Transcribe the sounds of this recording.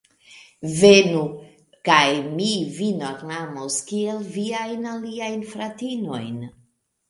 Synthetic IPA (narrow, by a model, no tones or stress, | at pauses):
venu | kajmivinoɡnamoskielviajnaliajnfɾatino̞̰jn